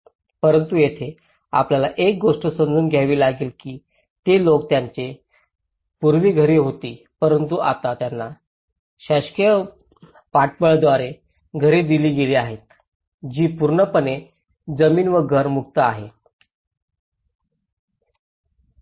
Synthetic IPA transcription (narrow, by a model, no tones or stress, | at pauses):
pəɾənt̪ujet̪ʰe | a̰pljalaʔek̚ɡoʂʈəsənd͡zuːnɡʱjaʋiːlaɡiːlkiː | t̪elokt̪jaɲt͡se | puɾʋiːɡʱəɾeɦot̪iː | pəɾənt̪uʔat̪at̪janːa | ɕaɕkjə | paʈ̚bəɭd̪ʋaɾe | ɡʱəɾed̪iliːɡeliːaɦet̪ | d͡ʑiːpuɾɳəpəne | d͡zəmiːnʋəɡʱəɾmuk̚t̪əaɦe